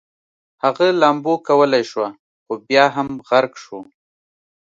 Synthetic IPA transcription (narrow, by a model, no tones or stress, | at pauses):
haɣalambokawəlajʃwa | xobjɑɦamɣaɾɡʃo